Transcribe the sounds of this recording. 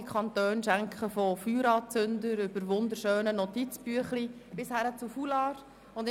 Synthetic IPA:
ikʰχɑnt̪øːnʃæŋkχəfɔfyːɾɑːt͡sʏndəɾʏbəɾʋʊndəɾʃøːnənɔtit͡sbyəχlib̥ɪshæɾət͡sufulɑːɾ | ʊnd

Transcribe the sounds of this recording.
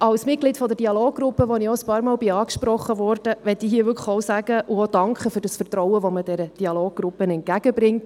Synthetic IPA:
ɑwsmɪt̚ɡlɪtfɔd̪əɾdiɑloːɡ̚ɡɾʊpːəʋɔnɪɔəspɑːɾmɑːlbɪɑːkʃpɾɔχːəʋɔɾd̥əʋɛtːihiːəʋʏɾkʰəxɔʊsæɡ̥əʔuod̥ɑŋkχəføɾdəsfərt̪ɾɔwəʋɔməd̥ɛɾəd̥iɑloːɡ̥̚ɡɾʊpːənɛnt̚ɡ̥æɡ̥əbɾɪŋt

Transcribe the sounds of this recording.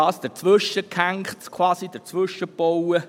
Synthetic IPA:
ɑːsd̥ət͡sʋʏʃəkʰæŋktkʰwɑːsid̥ət͡sʋʏʃəb̥ɔwə

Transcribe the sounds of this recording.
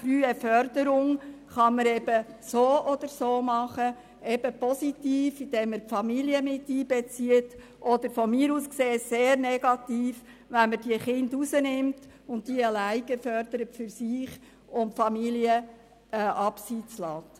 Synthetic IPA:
fryːəfœrdəɾʊŋχɑməɾɛbəsoːʔɔd̥̪əɾsoːmɑχə | ɛbəpɔsitiːfɪd̥̪ɛːmːəɾpfɑmiliəmɪtːiːbɛt͡siət | ʔɔd̪əɾfɔmiːɾuːskseːseːɾnɛɡ̥ɑtiːf | ʋænməɾd̥iəχɪndusənɪmt | ʊntdiəəlæɪɡəfœɾd̥əɾətfʏɾsiːχ | ʊmfɑmiliə | ʔɑpsiːt͡slɑːt

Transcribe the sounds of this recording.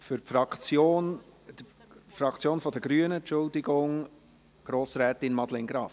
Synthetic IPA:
fʏɾpfɾɑkt͡sjoːnd | frɑkʰt͡sjoːnfɔd̥əɡɾyənənt͡ʃʊldɪɡʊŋ | ɡ̥ɾoːsɾæːtɪnmɑd̥lɛnɡɾɑːf

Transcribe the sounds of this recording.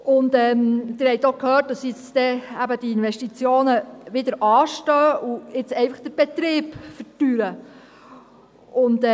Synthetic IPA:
ʊntɛːmd̥̪ɪɾhɛɪtokʰhøːt̚d̥ɑsɪt͡sd̥̪ɛæbəd̥iinʋɛʃtit͡sjoːnəʋɪd̪əɾʔɑːʃtœːʔuɪt͡sɛɪfəχd̪̥əɾb̥ɛt̪ɾɪːpfəɾtyɾə | ʊnt

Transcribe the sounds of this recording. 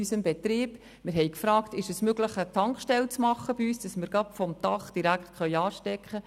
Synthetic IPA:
ysəmbɛt̪riːb̥ | mɪɾɦɛjkfɾɑːktɪʃɛsmøɡləχətʰɑŋkχʃtɛlt͡smɑχːəb̥iyːsd̥ɑsmɪɾɡɑpfɔmtɑχd̥iɾækχtχœʏɑːʃtɛkχə

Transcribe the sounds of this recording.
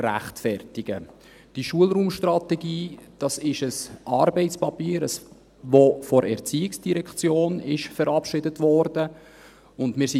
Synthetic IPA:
ræ̰χtfɛrtɪɡ̥ə | d̥iʃuəlɾuːmʃtrɑtɛɡiːd̥ɑsɪʃəsʔɑːɾbɛɪt͡spɑpiːɾəs | vofɔɾʔɛ̰ɾt͡siːɪksd̥iɾɛkt͡sjoːnɪʃfəɾɑpʃɪdətvɔɾdə | ʊndmɪːɾsi

